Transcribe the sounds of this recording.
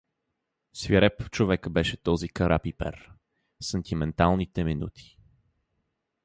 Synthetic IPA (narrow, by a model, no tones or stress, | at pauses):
sviɾɛpft͡ʃovɛkəbɛʃɛt̪ɔzikɐɾʔapipɛ̰ɾ | sɛnt̪imɛnt̪alˠnit̪ɛminṵt̪ʰi̥